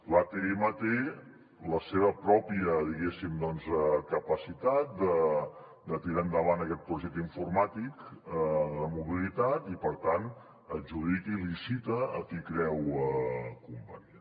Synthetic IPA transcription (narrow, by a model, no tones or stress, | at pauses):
lat̪eemət̪e | ləseβəpɾɔpiəðiɣesimd̪ɔnzɛkəpəsit̪at̪̚d̪ə | d̪ət̪iɾaənd̪əβanəkɛt̪̚pɾuʒɛk̚t̪əiɱfuɾmat̪ik | ðəmuβilit̪at̪ipəɾt̪an | əd͡ʒuðikilisit̪əə̰kikɾɛwəkumpaɲə